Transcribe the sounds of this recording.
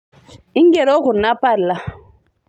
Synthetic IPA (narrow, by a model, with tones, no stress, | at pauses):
i˦ŋɡɛ˨ɾɔ˦ku˨na˦pa˦˨lːa˨˦